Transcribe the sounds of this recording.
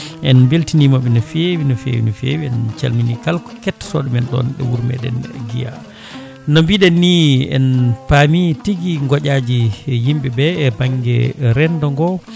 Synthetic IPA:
ʔɛnbeltinimaɓinɔfewinɔfḛwḭnɔfḛwiɛnt͡ʃa̰lminikalkɔ̥kɛtːsɔɗmɛnɗɔ̰nɗɛ̰wuɾmɛ̰ɗɛ̰nɡija̰ | nɔmbiɗɛnːiɛ̰npamitiɡiŋɡɔɟad͡ʒijimbɛbɛːbaŋɡɛ̰ɾɛndɔŋɡɔ

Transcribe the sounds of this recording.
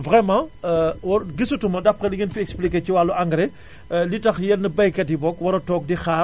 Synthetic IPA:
vʁɛmãwɔɡisutumɐdɐp̚kɛliɡinfiɛksplikeːciwalːuʔaŋɡɾɛ | litɐxjɛnːəbɐjkɛt̚ibɔkwɐɾɐtɔːk̚dixaː

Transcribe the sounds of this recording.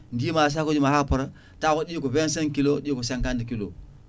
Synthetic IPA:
n̩dimas̬akud͡ʒumahapuɾa | takoɗikubenseŋkiloɗikusãŋkandikilo̰

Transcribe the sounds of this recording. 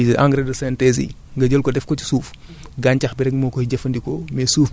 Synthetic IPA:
ʔaŋɡɾɛdɐsɛntɛzḭ | ŋɡɐɟəlkɔdɛfkɔci̥suːf | ɡaɲcɐxbiɾɛɡmɔːkɔiɟɐfɐndikɔmɛːsuːf

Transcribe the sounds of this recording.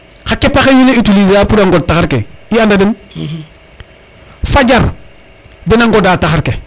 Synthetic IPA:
kakepaxeɲuneitulizaːpudaŋɡɔd̚taxaɾkḛiandadɪn | fad͡ʒaɾ | dɪnaŋɡɔdataxaɾke

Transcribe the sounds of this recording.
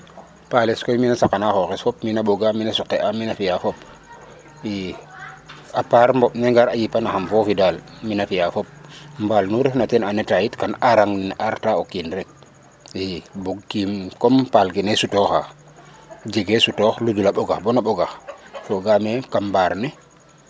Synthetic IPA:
paleskojminasakanaxoxɛsfɔp̚minaɓoɡaminasukːɛʔaminafijafop | i | apaɾmbɔɓnɛŋɡaɾajipanaxamfɔfidalminafijafop̚mbalnuɾefnatɛnanɛtajitkanaɾaŋninaɾtaokinɾɛk̚ | ibuɡ̚kimkɔmpalkinesutɔxa | d͡ʒeɡesutɔxludulaɓoɡaxbonaɓoɡaxfoɡamekammbaɾnɛ

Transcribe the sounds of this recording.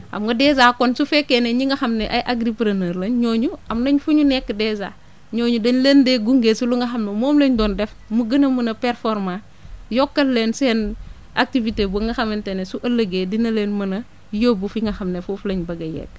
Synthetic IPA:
ʔɐ̰mɡɐdɛzaːkonsufɛkːeneɲiŋɡɐxɐmneʔajʔaɡɾipɾanɐːɾlɐnɲoːɲuɐmnɐɲfuɲunɛkːdɛza̰ | ɲoːɲudɐɲlendeɡuŋɡeːsuluŋɡɐxɐmnemoːmleɲdɔndɛf | muɡɐnɐmunɐpɛɾfoɾmã | jɔkːɐlːensɛːn | a̰k̚tivitebuŋɡɐxɐmentenesuʔɐlːɐɡeːdinɐleːnmɐnɐ | joːbufiŋɡɐxɐmnefufuleɲbɐɡɐjɛ̰k

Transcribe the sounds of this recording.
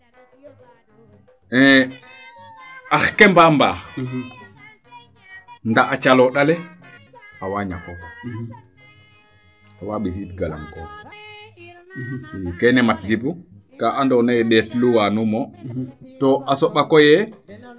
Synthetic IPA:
ɛ̃ | axkɛmbambaː | ndaʔat͡ʃalɔɗalɛ | awaɲa̰kok | awaɓis̬itɡala̰ŋko | kɛnɛmat̚dibukaʔandɔnaɗɛtluwanumɔtoʔasoɓakɔjɛ

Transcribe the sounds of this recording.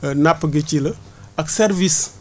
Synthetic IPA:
napːɡet͡ʃilə | aksɛɾvis

